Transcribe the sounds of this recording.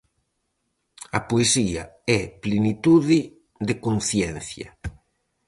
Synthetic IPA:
ɐpoesiɐɛplenit̪uðɪ | d̪eɪkon̟θjɛnθjɐ̰

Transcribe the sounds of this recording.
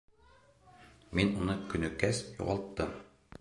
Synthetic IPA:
minunɤkɵ̆nɵ̆kæsjṵʁɑlˠt̪ːɤm

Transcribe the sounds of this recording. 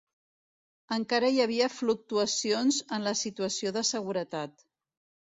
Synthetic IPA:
əŋkaɾəjəβ̞iəfluk̚t̪uəsionzənləsit̪uəsioðəsəɣ̞uɾət̪at̪

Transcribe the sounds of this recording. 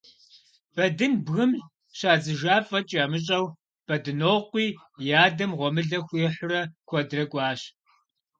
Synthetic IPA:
b̥ɐdɨnbɣɨm | ɕaːd͡zɨʒaːfʼɐt͡ʃʼaːmɨɕ̬ʼɐw | b̥ɐdɨnoːqʷiː | jaːdɐmʁʷɔmɨɮɐxʷeħʷʊrɐkʷʰɔdrɐkʷʼɑːɕ

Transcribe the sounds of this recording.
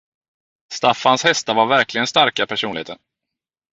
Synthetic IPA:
st̪afːanshɛst̪avaɾvæɾklɪɡənst̪aɾkapʰæʂuːnɪheːt̪əɳ

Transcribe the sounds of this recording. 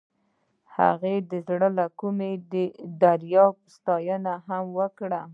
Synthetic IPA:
ha̰ɣed̪əzɽəlakumed̪əd̪aɾjɑpst̪ɑjənaɦamwəkɽa

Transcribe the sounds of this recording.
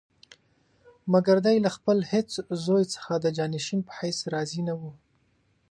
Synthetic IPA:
maɡaɾd̪ajlaxpəlhet͡szojt͡sə̥xad̪əd͡ʒɑnɪʃinpə̥hajsɾɑzinawu

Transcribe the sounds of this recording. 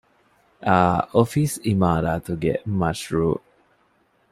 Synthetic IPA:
ʔaofisimaːɾaːt̪uɡḛmaʃɹuː

